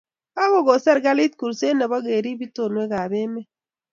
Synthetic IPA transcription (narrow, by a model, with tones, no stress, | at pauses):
a˦ɣo˦ɡo˨sɛ˦ɾɡa˦li˦t̪ku˨ɾse˦nɛ˨bɔ˦ɡe˨ɾi˦bi˦to˨nwe˦ɡa˨be˦mɛ˦